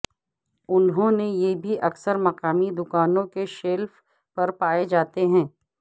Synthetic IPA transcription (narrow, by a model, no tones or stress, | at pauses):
ʊnɦõnejebʱiʔɐksəɾmɐqaːmid̪ʊkaːnõkeʃeːlf | pɐɾpaːed͡ʒaːt̪eɦɛ̃ː